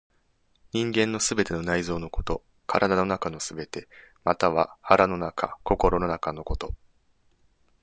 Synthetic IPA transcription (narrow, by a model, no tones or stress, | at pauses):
ɲ̟ĩŋɡẽ̞nːo̞sɨbe̞t̪e̞no̞naizo̞ːno̞ko̞̥t̪o̞ | kʰaɾʔad̪ano̞nakano̞sɨbe̞t̪e̞mat̪aβ̞a̰haɾano̞nakʰa̰ko̞ko̞ɾo̞no̞nakano̞ko̞t̪o̞